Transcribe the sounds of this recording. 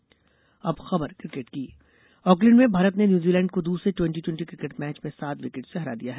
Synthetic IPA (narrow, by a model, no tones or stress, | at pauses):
ɐbxɐbəɾkɾɪkeʈkiː | ɔːklɪ̃ɳɖmẽbʱaːɾət̪nenjuːziːlɛ̃ːɳɖkod̪uːsɾeʈwɛ̃ɳʈiʈwɛ̃ɳʈikɾɪkeʈmɛːt͡ʃmẽsaːt̪ʋɪkɪʈseɦɛɾa̰d̪ḭjaɦɛː